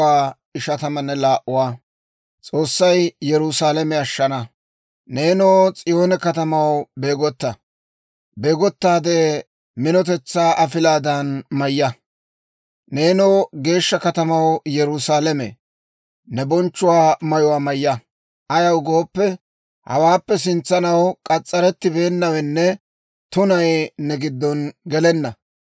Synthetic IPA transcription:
aː | ɪʃɐt̪ɐmɐnːɛlaːʔʊwaː | t͡sʼo̞ːsːɐjjɛɾʊsaːlɛmɛɐʃːɐnɐ | ne̞ːnoːt͡sʼɪjo̞ːnɛkɐt̪ɐmɐwbe̞ːɡɔt̪ːɐ | beːɡɔt̪ːaːd̪eː | mɪnɔt̪̬ɛt͡sːaːʔɐfɪlaːd̪ɐnmɐjːɐ | ne̞ːnoːɡe̞ːʃːɐkɐt̪ɐmɐwjɛɾʊsaːlɛmḛ | nɛbɔnt͡ʃːʊwaːmɐjʊwaːmɐjːɐ | ʔɐjɐwɡo̞ːpːɛ | hɐ̰waːpːɛs̬ɪnt͡sːɐnɐwkʼɐt͡sʼːɐɾɛt̪ːɪbe̞ːnːɐwɛnːɛ | t̪ʊnɐjnɛɡɪd̪ːɔnɡɛlɛnːɐ

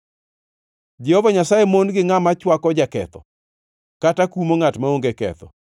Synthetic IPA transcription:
d͡ʒɛhovaɲasajemonɡɪŋamat͡ʃwakɔd͡ʒakɛ̰t̪ɔ | katakumoŋatmaoŋɡekɛ̰t̪ɔ̰

